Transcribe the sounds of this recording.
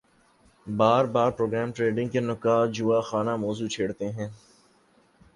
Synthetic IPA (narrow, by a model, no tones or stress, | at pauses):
baːɾbaːɾpɾoːɡɾɛːmʈɾeːɖɪ̃ŋɡkenʊkaːd͡ʒuaxaːnamɔːzut͡ʃʰeːɽt̪eɦɛ̃ː